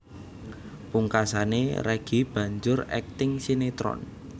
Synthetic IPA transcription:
puŋkasaneɾɛɡ̥i̤b̥ä̤ɲd͡ʒʊrɛ̰k̚t̪ɪŋsinet̪ɾɔ̰n

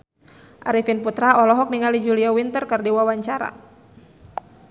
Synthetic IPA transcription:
ʔaɾifinput̪ɾaɔlɔɦɔk̚niŋalid͡ʒuliawint̪ərkərdiwawaɲt͡ʃaɾa̰

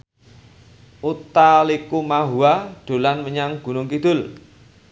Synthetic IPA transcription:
ʔut̪alikumaɦuaɖ̪̥o̤lanməɲaŋɡ̥ṳnʊŋkid̪̥ʊl

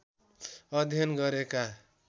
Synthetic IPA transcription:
ʌd̪ʱjʌnɡʌɾeka

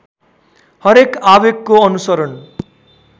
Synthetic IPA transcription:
hʌɾekabeɡːoʌnusʌɾʌn

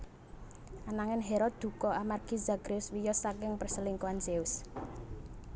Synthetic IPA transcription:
ʔanaŋɪnɦeɾɔd̪̥ṳkɔamarɡ̥izaɡ̥ɾeʊswijɔsakɪŋpərsəliŋkuanseus

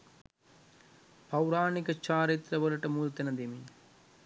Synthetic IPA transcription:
pɐwɾaːnikɐt͡ʃaːɾit̪ɾɐʋɐlɐʈɐmuːlt̪ɐnɐd̪imi

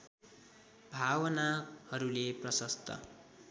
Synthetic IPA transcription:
bʱawʌnahʌɾuleprʌsʌst̪ʌ̰

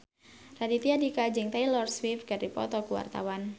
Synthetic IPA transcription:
radit̪iadikad͡ʒɪŋt̪ajlɔrswifkaripɔ̰t̪ɔkuwa̰rt̪a̰wan

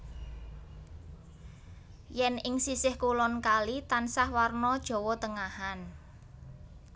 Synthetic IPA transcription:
jɛnɪŋsisɪhkulɔnkalit̪ansahwarnɔd̥ʒ̥ɔ̤wɔt̪əŋahan

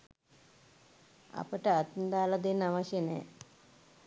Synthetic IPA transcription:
a̰pəʈəat̪nd̪aːlad̪enːaʋaʃjənɛ̰ː

